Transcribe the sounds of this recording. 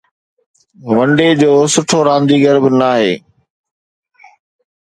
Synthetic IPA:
ʋɐ̃ɳɖed͡ʑoːsʊʈʰoɾãːnd̪iːɡəɾbɪnaːɦḛː

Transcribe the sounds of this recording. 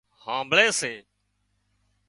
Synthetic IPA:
hãːmbɭeːseː

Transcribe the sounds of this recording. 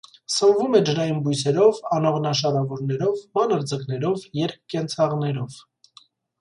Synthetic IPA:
səɱvumɛd͡ʒəɾɑjinbujsɛɾɔvɑnɔʁnɑʃɑɾɑvɔɾnɛɾɔvmɑnəɾd͡zəknɛɾɔvjɛɾk̚ːɛnt͡sʰɑʁnɛɾɔv

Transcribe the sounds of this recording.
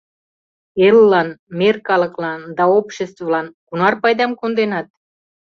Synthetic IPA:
elːɑnmerkɑlɤklɑnd̪ɑopʃest̪vvlɑnkunɑrpɑjd̪ɑmkond̪enɑt̪̚

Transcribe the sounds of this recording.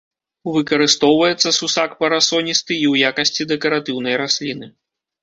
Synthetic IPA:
uvɨkɐɾɨst̪ɔwvɐjɛt̪sːɐsusakpɐɾasɔnʲist̪ɨiwjakɐsʲt͡sʲid̪ɛkɐɾat̪ɨwnɐjɾasʲlʲinɨ

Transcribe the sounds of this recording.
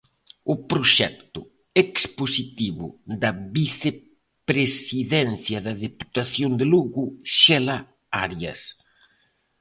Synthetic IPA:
ʊpɾoʃɛkt̪ʊ | eksposit̪iβʊd̪ɐβiθe | pɾesiðɛnθjɐðɐðepu̥t̪aθjond̪ɪluɣʊʃɛla | aɾjɐ̰s

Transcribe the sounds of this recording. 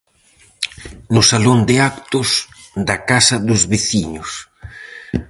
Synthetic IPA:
nʊsalond̪ɪakt̪ʊs | d̪ɐkasɐðʊzβeθiɲʊs

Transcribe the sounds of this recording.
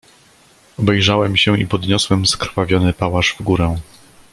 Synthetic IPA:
ɔbɛjʐawɛmɕɛḭpɔd̪ɲɔswɛmskɾfavʲjɔnɘpawaʐvɡuɾɛ

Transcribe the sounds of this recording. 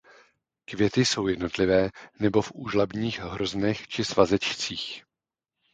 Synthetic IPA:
kvjɛt̪ɪso̞wjɛdno̞t̪lɪvɛːnɛbo̞fʔuːʒlabɲiːxɦɾo̞znɛxt͡ʃɪsvazɛt͡ʃt͡siːx

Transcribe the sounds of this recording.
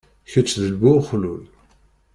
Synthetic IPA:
çət͡sːðəlbʊχlul

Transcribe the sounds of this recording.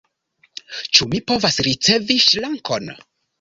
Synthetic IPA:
t͡ʃumipo̞vasɾit͡se̞viʃlaŋko̞n

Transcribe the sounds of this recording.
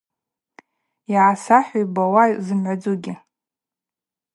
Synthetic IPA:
iʕasaħʷᶣajbawazɨmʕʷad͡zuɡʲɪ

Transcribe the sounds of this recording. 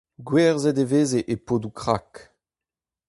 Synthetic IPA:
ɡwɛːʁzɛdeveːzeʔepoːdukʁak

